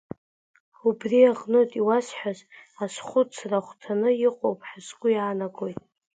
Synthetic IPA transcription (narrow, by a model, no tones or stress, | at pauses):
ubriaqʼnotʼiwasħazasχʷʊt͡sʰraχʷtʰanɨiqʼowpʼħasɡʷʊjaːnaɡʼojtʼ